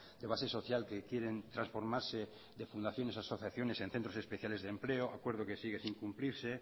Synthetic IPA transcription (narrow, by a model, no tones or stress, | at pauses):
d̪eβ̞aseso̞θjalkekjeɾent̪ɾãnsfo̞ɾmaɾse | d̪efund̪aθjo̞nesaso̞θjaθjo̞nesen̟θent̪ɾo̞sespeθjale̞zðempleoʔakweɾð̞okesiɣ̞esiŋkumpliɾse